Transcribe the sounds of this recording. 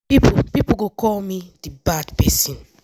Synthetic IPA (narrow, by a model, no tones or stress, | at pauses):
pipupipoɡokɔlmidibadpɛsĩn